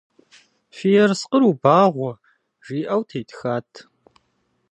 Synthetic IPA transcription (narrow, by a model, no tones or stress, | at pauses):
fijɛrsqəɾubaːʁʷɔ | ʒiːʔɐwtʰejtʰxaːtʰ